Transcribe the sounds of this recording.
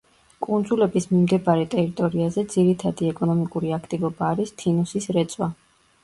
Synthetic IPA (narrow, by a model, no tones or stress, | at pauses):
kʼund̪zulɛbismimd̪ɛbaɾɛt̪ʼɛɾit̪ʼɔɾiazɛd̪z̥iɾit̪ʰad̪iɛkʼɔnɔmikʼuɾiakʰt̪ʼivɔbaːɾist̪ʰinusisɾɛt̪sʼwa